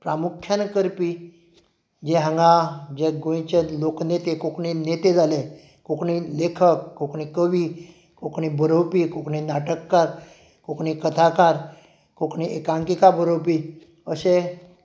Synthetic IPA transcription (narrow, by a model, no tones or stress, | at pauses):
pɾamukʰːjankəɾpi | d͡ʑeɦãŋɡad͡ʑeɡõj̃t͡ɕeloknet̪ekokɳinet̪ed͡zale | kokɳilekʰəkːokɳĩkəʋiː | kokɳibʱəɾowpikokɳinaʈəkːaɾ | kokɳikət̪ʰakaɾ | kokɳiekãŋkikabʱəɾowpi | əse